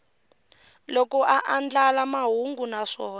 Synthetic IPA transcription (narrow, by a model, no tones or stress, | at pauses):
lɔkɔʔaʔand͡ɮalamaɦuŋɡunaʂɔːn